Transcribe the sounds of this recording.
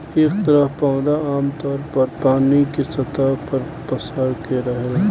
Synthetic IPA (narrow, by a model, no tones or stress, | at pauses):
eːk̚t̪əɾəɦpaʊd̪aaːmt̪ɔːɾpɐɾpaːnikesɐt̪apəɾ | pəsəɽkeɾɐɦe